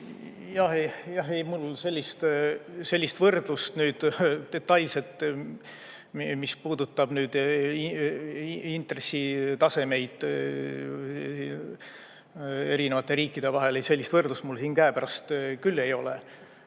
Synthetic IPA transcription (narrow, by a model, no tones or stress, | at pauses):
jɑhejɑɦejmulse̞lʲːist̪selʲːist̪vɤrd̪̥lust̪nyːd̪̥d̪̥e̞t̪ːˑɑjlse̞t̪ː | mispuːd̪ut̪ːˑɑb̥nyːd̪̥iiint̪re̞sːit̪ɑse̞me̞jd̪̥ | i | e̞ɾinevɑt̪ːˑe̞ɾiːkːˑid̪̥e̞vɑɦe̞lejse̞lʲːist̪vɤrd̪lust̪mulsiːnkæepæɾɑst̪kylːe̞jo̞̰le